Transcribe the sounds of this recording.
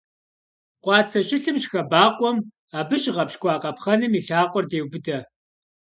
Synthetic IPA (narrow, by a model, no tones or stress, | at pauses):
qʷɑːt͡sʰɐʃɪɬɨmʒxɐbaːqʷʼɔm | aːbɨʃʁɐpʃkʷʼɑːqʼɐpχɐnɨmiːɬaːqʷʼɔrdeːwbɨdɐ